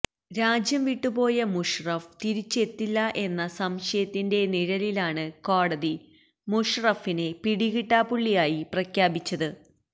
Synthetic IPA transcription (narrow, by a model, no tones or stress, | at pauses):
ɾaːd͡ʑjɐmʋiʈːubo̞ːjɐmuʂrɐft̪iɾit͡ɕːe̞t̪ːilːɐʔe̞nːɐsɐmɕɐjɐt̪ːinde̞niɻɐlilaːɳɨko̞ːɽɐði | muʂrɐfinepiɽiɣiʈːaːpuɭːijaːjiprɐkʰjaːbit͡ɕːɐðɨ